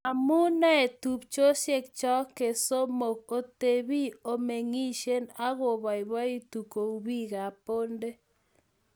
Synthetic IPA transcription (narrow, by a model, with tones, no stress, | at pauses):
a˨mʊ˦na˦e˨tu˨p̚t͡ʃo˦ʃje˦k̚t͡ʃɔ˦ke˨so˦mo˨ko˨te˨βi˦o˨me˨ŋi˦ʃe˦na˦ɣo˨βa˨ɪ˨βa˦i˦tu˨ko˨u˨βi˦ɣa˨po˦nde˦